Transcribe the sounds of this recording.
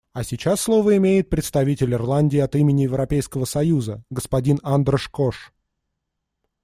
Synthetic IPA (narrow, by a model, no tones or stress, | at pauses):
ɐsʲɪt͡ɕasːlˠo̞vəɪmʲejɪt̪̚pɾʲɪt̪st̪ɐvʲitʲɪlʲɪrlˠanʲdʲɪːɐt̪imʲɪnʲɪjɪvɾɐpʲejskəvəsɐjuzəɡəspɐdʲinand̪rəʂkoʂ